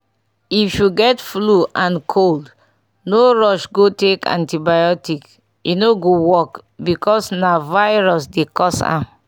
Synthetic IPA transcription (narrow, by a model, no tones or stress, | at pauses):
ifjuɡɛtfluʔãnkʰold | noɹɔʃɡotekã̰ntibajɔtik | inoɡowɔkbikɔsnavaɪɹɔsdekɔsã̰m